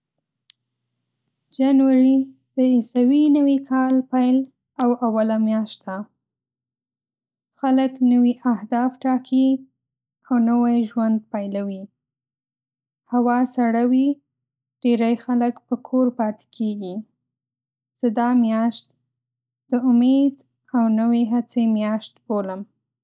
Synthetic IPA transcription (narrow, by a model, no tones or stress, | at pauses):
d͡ʒanwaɾi | d̪̥əisawinawikʰɑlpajl | awawalamjɑʃt̪d̪a | xaləknəwiʔahd̪ɑfʈɑkʰi | awnəwajʒwand̪̚pajlawi | hawɑsaɽawi | ɖ̥eɾajxaləkpəkʰoɾpɑt̪ɪ̥kʰeɡi | z̥əd̪ɑmjɑʃt̪̚ | d̪̥əʊmed̪ | awnəweɦat͡semjɑʃt̪boləm